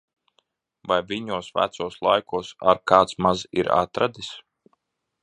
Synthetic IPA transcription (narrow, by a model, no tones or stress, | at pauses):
vajviɲuɔsvæ̰t̪suɔslˠajkuɔsa̰ɾkaːt̪smazḭɾa̰t̪ɾad̪is